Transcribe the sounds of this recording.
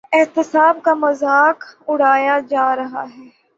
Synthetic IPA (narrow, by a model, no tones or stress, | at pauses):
ɪɦt̪ɪsaːbkamɐzaːkʊɽ̤aːjad͡ʒaːɾɐɦa̰ɦɛː